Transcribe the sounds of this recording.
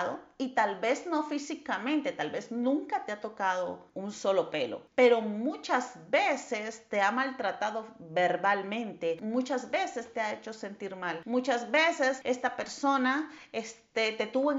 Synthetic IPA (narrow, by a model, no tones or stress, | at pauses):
ðoit̪alβe̞zno̞fisikamẽ̞nt̪e̞t̪alβe̞znũŋkat̪eat̪o̞kað̞o̞unso̞lo̞pe̞lo̞̰pe̞ɾo̞mut͡ʃazbesest̪e̞amalt̪ɾat̪aðo̞be̞ɾβalmẽ̞nt̪e̞mut͡ʃazbe̞se̞st̪e̞aet͡ʃo̞se̞nt̪iɾmalmut͡ʃazβe̞se̞se̞st̪ape̞ɾso̞naest̪et̪e̞t̪uβoe